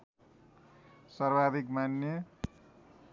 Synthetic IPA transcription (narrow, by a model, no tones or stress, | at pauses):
sʌrbad̪ikmanjʌ